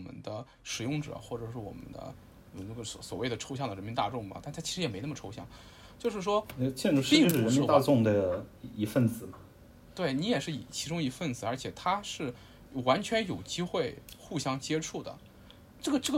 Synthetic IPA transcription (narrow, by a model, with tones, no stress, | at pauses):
mə̰˧˦nd̪ə˧ | ʂɻ̩˨˩jʊ˥˩ŋʈ͡ʂɤ̰˨˩xwɔ˥˩ʈ͡ʂɤ˨˩ʂɻ̩˥˩wɔ̰˨˩mə̰˦nd̪ə̰˧ | ɔ˨˩n˦ə˥˩ɡə˧˩sɔ˧˩swɔ˨˩we˥˩ɪd̪ə˩ʈ͡ʂʰo˥ʊɕjɑ˥˩ŋd̪ə˩ɻə˧˥nmi˧˥n˥t̪a˥˧ʈ͡ʂʊ˥˩ŋmɐ̰˩t̪a˥˩nt̪ʰa˥t͡ɕʰʂɻ̩˧˥jɛ˨˩me˧˥ɪnə˥˩mə˩ʈ͡ʂʰo˥ʊɕjɑ̰˥˩ŋ | t͡ɕjo˥˧ʊʂɻ̩˥˩ʂwɔ˥˧t͡ɕʰɛ˥˧nʈ͡ʂu˧˥ʂi˥˧˥ʂɻ̩˥ɻə˧˥nmi˧˥t̪a˥˧ʈ͡ʂʊ˥˩ŋd̪ə˩i˧˥fə˥˩nt͡sɹ̩˨˩mɐ˦ | t̪we˥˩ɪni˧˥jɛ˨˩ʂɻ̩˥˩i˨˩t͡ɕʰi˧˥ʈ͡ʂʊ˥ŋi˧˥fə˥˩nt͡sɹ̩˨˩ə˞˧˥t͡ɕʰjɛ˨˩t̪ʰa˥ʂɻ̩˥˩ | wa˧˥nt͡ɕʰɥɛ˧˥njo˨˩ʊt͡ɕi˥xwe˥˩ɪxu˥˩ɕjɑ˥ŋt͡ɕjɛ˥ʈ͡ʂʰu˥˩d̪ə̰˩ | ʈ͡ʂɤ˥˩ɡə˩ʈ͡ʂɤ˥˩ɡə